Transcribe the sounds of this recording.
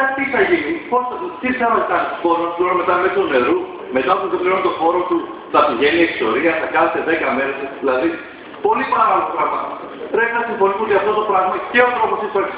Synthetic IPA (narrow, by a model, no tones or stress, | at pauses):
ɐt̪iθɐʝinipo̞sθɐt̪ut̪isɐmɐsit̪ɐnpoɾosiɣuɾɐme̞t̪ɐmet̪une̞ɾu | me̞t̪ɐpuðepliont̪o̞xo̞ɾot̪u | θɐt̪iʝe̞niekso̞ɾiɐθɐkɐnet̪eðe̞kɐmeɾesðilɐði | po̞lipɐɾɐpoloɣɾɐɣmɐ | ɾefθɐsiɱfo̞nismeot̪iɐft̪o̞t̪opɾɐɣmɐceot̪ɾo̞posiɐ